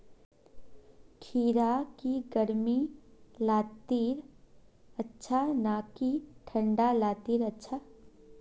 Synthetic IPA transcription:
kʰiːɾakiɡəɾmilaːt̪iːɾ | ɐtːʃʰanaːkiʈʰə̃ɳɖalaːt̪iːɾɐtːʃʰa

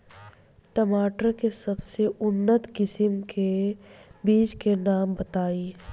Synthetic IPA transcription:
ʈəmaːʈəɾkesɐbseʊnːət̪kɪsɪmkʰe | biːt͡ʃkenaːmbɐt̪aːi

